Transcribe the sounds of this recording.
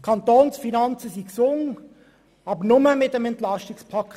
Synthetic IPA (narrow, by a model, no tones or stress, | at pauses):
kʰɑnt̪oːnsfinɑnt͡səsiksʊŋ | ɑbənʊməmɪtəmɛntlɑstikspʰɑk